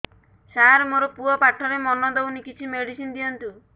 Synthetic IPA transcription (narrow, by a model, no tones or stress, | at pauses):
saɾmoɾɔpuɔpaʈʰɔɾemɔnɔd̪ewnikit͡ʃʰimeɽisind̪ijɔnt̪u